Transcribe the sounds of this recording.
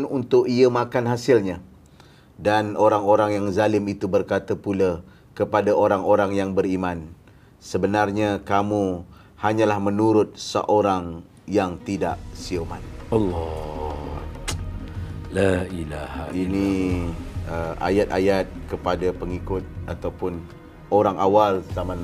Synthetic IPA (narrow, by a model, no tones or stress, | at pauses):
nunt̪ʊʔiəmakanɦasɪlɲa | danoɾaŋoɾaŋjaŋzalɪmit̪ubərkat̪apula | kəpadaoɾaŋoɾaŋjaŋbərimãn | səbənarɲakamu | haɲalahmənuɾʊt̪̚sə̰ʔoɾaŋ | jaŋt̪ida̰ʔsiomanɑlːɔ | lailaha̰ini | əʔa̰jat̪̚ajat̪̚kəpadapəŋikʊt̪̚at̪awpʊn | oɾaŋʔawalsaman